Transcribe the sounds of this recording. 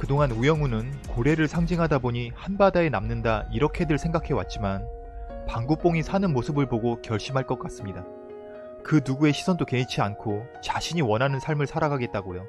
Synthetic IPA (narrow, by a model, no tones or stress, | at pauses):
kɯdoŋanujʌŋunɯnkoɾe̞ɾɯɭsʰaŋd͡ʑiŋɦadaboɲihanbadae̞namnɯndaiɾʌkʰe̞dɯɭsʰe̞ŋɡakʰe̞wa̰t̚t͡ɕ͈iman | paŋɡup͈oŋisʰanɯnmosʰɯbɯɭpoɡokjʌɭɕ͈imɦaɭk͈ʌk͈as͈ɯmɲida | kɯnuɡue̞ɕʰi̥sʰʌndoke̞it͡ɕʰiankʰo | t͡ɕaɕʰiɲiwʌnɦanɯnsʰaɭmɯɭsʰaɾaɡaɡe̞t̚t͈aɡojo